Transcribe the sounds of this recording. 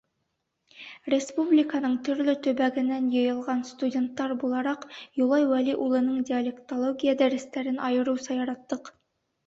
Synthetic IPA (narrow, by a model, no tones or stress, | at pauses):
ɾe̞spublʲikɑnəɴt̪ʰʏɾlɪt̪ʰɵbæɡɪnːænjɤjɤ̆lˠʁɑnst̪udʲe̞nt̪ːɑɾbulˠɑɾɑqjulˠɑjwæliʔulˠɤ̆nəɴd̪ʲialʲekt̪olˠoɡʲijad̪æɾɪst̪æɾɪnʔɑjɤ̆ɾusɑjɑɾɑt̪ːəq